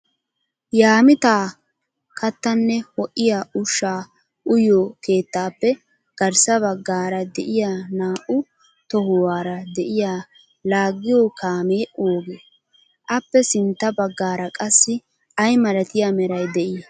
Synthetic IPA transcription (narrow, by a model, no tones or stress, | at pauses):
jaːmɪt̪aː | kɐt̪ːɐnːɛwɔʔːɪjaːʊʃːaː | ʔʊjoːke̞ːt̪ːaːpːɛ | ɡ̥ɐɾsɐβɐɡːaːɾɐd̪ɛʔɪjaːnaːʔʊ | t̪ɔhʊwaːɾɐd̪ɛʔɪjaː | laːɡːɪjoːkaːmeːʔoːɡeː | ʔɐpːɛsɪnt̪ːɐbɐɡːaːɾɐkʼɐsːɪ | ʔɐjmɐɾɐt̪ɪjamɛɾɐjd̪ɛʔi